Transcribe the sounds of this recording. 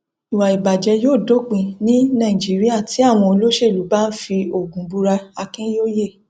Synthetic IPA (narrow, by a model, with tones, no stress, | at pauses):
i˨wa˨i˨ba˨d͡ʒɛ˧˦joː˦˨do˦k͡pĩ˧nĩ˦nã˦˨ĩ˨d͡ʒi˨˦ɾi˦a˦˨tʰi˨˦a˦˨w̃ɔ̃˧o˧lo˦ʃe˦˨lu˨˦ba˦n̩˦fi˧o˨ɡũ˨˦bu˧ɾa˧a˧kĩ˦joː˦je˦˨